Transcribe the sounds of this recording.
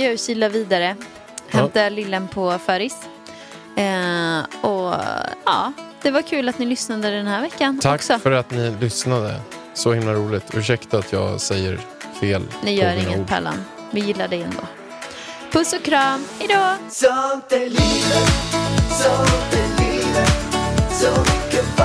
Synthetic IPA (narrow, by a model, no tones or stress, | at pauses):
jɑːjsɪlːaviːd̪aɾə | hɛmt̪alɪlːənpʰɔfœːɾɪs | ɔ | ɑ̰ːd̪̥ɛvaɾkʰʉ̟ːlat̪nɪlʏsnad̪əd̪ɛnhæːɾvɛkːant̪ʰɔksɔfœɾat̪nɪlʏsnad̪ə̰ | sɔhɪmlaɾuːlɪt̪ʰʉːʂɛkt̪aat̪ʰjɑ̰ːɡsɛjːə̰ɾ | feːlnɪjœːɾɪŋːət̪̚pʰɛ̰lːa̰n | vɪjɪlːaɖɛɛnd̪o̰ː | pʰɵsɔkʰɾɑːmɪd̪ɑːsɔd̪ɛlilə | sɔd̪ɛliləsɔmʏkːə